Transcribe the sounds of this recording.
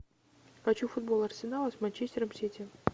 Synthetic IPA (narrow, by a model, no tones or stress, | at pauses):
xɐt͡ɕufʊd̪̚bo̞lˠɐrsʲɪnalˠəsmanʲt͡ɕesʲtʲɪɾəmsʲetʲɪ